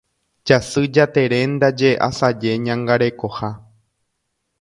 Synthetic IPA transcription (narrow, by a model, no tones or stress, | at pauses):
d͡ʒasɨd͡ʒat̪e̞ɾend̪ad͡ʒeʔa̰sad͡ʒe̞ɲãŋɡaɾe̞ko̞ha